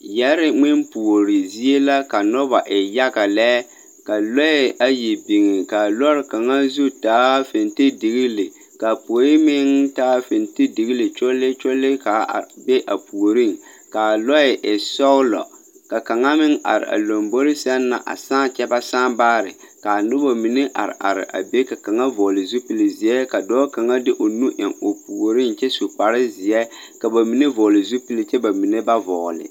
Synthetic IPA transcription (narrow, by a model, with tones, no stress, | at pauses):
jɛ˦ɾɪ˦ŋ͡mɪ˦npu˨o˨ɾɪ˨zi˦e˦la˦ka˨nɔ˦ba˨ʔɪ˨ja˦ɡa˨lɛ˦ | ka˨lɔ˦ɪ˦ʔa˦ji˨bi˨ŋɪ˨ka˨lɔ˦ɾɪ˦ka˨ŋa˦zu˦taː˦fɪ˨ntɪ˦dɪ˨ɣi˦lɪ˨ | ka˨po˨o˨˦jɪ˦mɪ˦ŋtaː˦fɪ˨ntɪ˦dɪ˨ɣi˦lɪ˨t͡ʃo˦lɪ˦t͡ʃo˦lɪ˦ka̰˨bɛ˦ʔa˨pu˨o˨ɾi˦˨ŋ | ka˨lɔ˦ɪ˨ʔɪ˨sɔ˦lɔ̰˨ | ka˨ka˨ŋa˦mɪ˦ŋʔa̰˨ɾɪ̰˨ʔa̰˨lo˨mbo˦ɾɪ˦sa˦nːa̰˨ʔa̰˨sãː˦t͡ʃɛ˦ba˦saː˦baː˦ɾɪ̰˨ka˨nʊ˦bo˨mi˨ne˦ʔa̰˨ɾɪ̰˨ʔa̰˨ɾɪ̰˨ʔa̰˨be˦ka˨ka˨ŋa˦vɔ˨lɪ˨zu˦pi˨lɪ˨zɪ˨ɛ˦ka˨dɔː˦ka˨ŋa˦dɪ˦ʔo˨nu˦ʔɪ˨ŋo˨pu˨o˨ɾi˦nt͡ʃɛ˦su˨k͡pa˨ɾɪ˦zɪ˨ɛ˦ | ka˨ba˨mi˨ne˦vɔ˨lɪ˨zu˦pi˦lɪ˦t͡ʃɛ˦ba˨mi˨ne˦ba˦vɔː˨lɪ̰˨